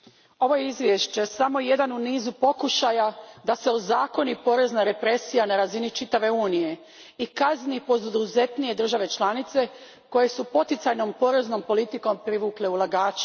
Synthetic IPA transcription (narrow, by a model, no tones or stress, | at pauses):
o̞ʋo̞jeizʋje̞ʃt͡ɕe̞samo̞je̞d̪anuniːzupo̞kuʃajad̪ase̞ozaːko̞nipo̞ɾe̞znaɾe̞pɾe̞sijanaɾazinit͡ʃit̪aʋe̞uːnije̞ | ikazniipo̞d̪ud̪uze̞t̪nije̞d̪r̩ʒaʋe̞t͡ʃlˠanit̪se̞ | ko̞je̞supo̞t̪it̪sajno̞mpo̞ɾe̞zno̞mpo̞lit̪iko̞mpɾiʋuːkle̞ulˠaɡaːt͡ʃe̥